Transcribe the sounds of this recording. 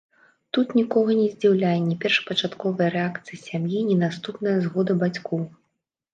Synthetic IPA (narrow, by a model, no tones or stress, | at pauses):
t̪ut̪nʲikɔɣɐnʲɛzʲd͡zʲiwlʲanʲːɛpʲɛrʂpɐt͡ʂat̪kɔvɐjɐɾɛakt̪sɨjɐsʲamjinʲɛnast̪upnɐjɐzɣɔd̪ɐbat͡sʲkɔw